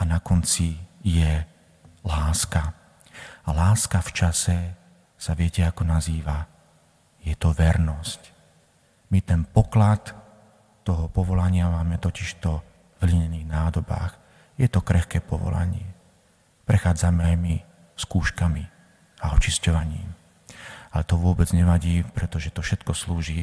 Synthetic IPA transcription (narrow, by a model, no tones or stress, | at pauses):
anakɔnt͡sijɛ | laːska | alaːskaft͡ʃasɛ | saʋɪɛcɛakɔnaziːʋa | jɛt̪ɔʋɛɾnɔsc | mit̪ɛnpɔklat̪ː | ɔɦɔpɔʋɔlaɲɪamaːmɛt̪ɔciʃt̪ɔ | vliɲɛniːɣnaːd̪ɔba̰ːx | jɛt̪ɔkɾɛxkɛːpɔʋɔ̰la̰ɲɪɛ | pɾɛxaːd͡zamɛajmi | skuːʃkami | aɔt͡ʃiscɔʋaɲḭːm | alɛt̪ɔʋʊɔbɛd͡zɲɛʋaɟiːpɾɛt̪ɔʒɛt̪ɔfʃɛt̪kɔsluːʒiː